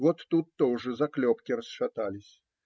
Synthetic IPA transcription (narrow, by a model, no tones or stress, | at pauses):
vɔt̪ːut̪ːɔwʐɨzɐklʲɔpkʲirɐsʂat̪alʲɪsʲ